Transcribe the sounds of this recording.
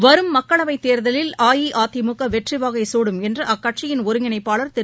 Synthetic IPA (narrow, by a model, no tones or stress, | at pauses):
ʋɐɾɯmːɐkːɐɭɐʋɐɪt̪ːeːɾðɐlɪlaːjiʔaːt̪ːɪmukːɐʋɛʈrɪʋaːɣɐɪsoːɽɯmɛndrɯʔɐkːɐʈt͡ʃɪjɪnɔɾɯŋɪnɐɪpːaːɭɐɾt̪ɛ